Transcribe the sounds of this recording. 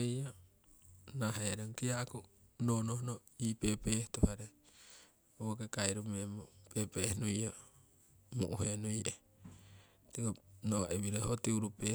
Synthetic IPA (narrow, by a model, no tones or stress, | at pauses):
eja | naɦeɾeŋkiaʔku | noːnohono | iːpeːpeːht̪uhaɾe | okekajɾumemopepehnujo | muʔuhenuiʔe | t̪iɡonoaʔiβiɾohotiuɾupe